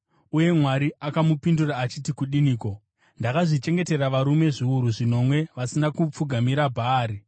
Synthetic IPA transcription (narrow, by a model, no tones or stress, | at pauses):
uje̞mwaɾiakamupinduraːt͡ʃitikuɗiniːko̞ | ndakaʐit͡ʃe̞ŋɡe̞te̞raʋaɾume̞ʐiuɾuʐino̞mwe̞ʋasinakup͡fuɡʱamiɾabʱaːɾi